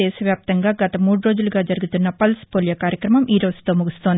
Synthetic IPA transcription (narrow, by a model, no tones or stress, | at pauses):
ɛːsɐʋjaːp̚t̪ɐŋɡaːɡɐt̪ɐmuːɽuɾo̞ːd͡ʒuluɡaːd͡ʒɐɾuɡut̪unːɐpɐlspoːljɐkaːɾjɐkɾɐmɐmʔiːɾo̞ːd͡ʒu̥t̪o̞ːmuɡust̪oːnd̪i